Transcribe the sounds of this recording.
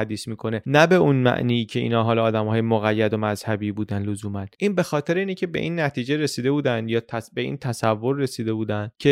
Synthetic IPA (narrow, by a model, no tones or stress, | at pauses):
æd̪iːsmiːkʰo̞ne̞næbe̞unmæ̰ʔniːiːcʰe̞ḭːnɒːɦɒːlɒːd̪æmhɒːjemoɣæjːæd̪o̞mæzhæbiːbuːd̪ænlozuːmænd̪̥ʔiːnbe̞xɒːt̪ʰe̞ɾeiːnecʰebe̞̰ʔiːnːæt̪ʰiːd͡ʒe̞ɾesiːd̪e̞buːd̪ænd̪jɒːt̪ʰæbe̞ḭːnt̪ʰæsævːo̞ɾːe̞siːd̪e̞buːd̪ænd̪̥cʰe̞